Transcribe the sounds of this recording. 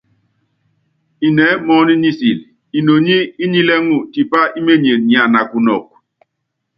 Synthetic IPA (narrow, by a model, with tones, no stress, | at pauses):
i˨nɛ˨˦mɔ˦ni˦ni˦si˨l | i˨no˨ɲi˦i˦ɲi˦lɛ˦ŋu˦˨ti˨pa˦ʔi˦me˦ɲe˨ɲ˨a˨na˨ku˨nɔ˨k̚